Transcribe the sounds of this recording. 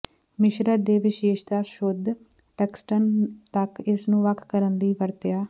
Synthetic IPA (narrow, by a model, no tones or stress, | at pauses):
mɪʃɾəd̪eːʋɪʃeːʃt̪aːʃod̪ʱ | ʈɛːksʈənt̪əkɪsnũːʋəkʰːkəɾənliːʋəɾt̪ɪjaː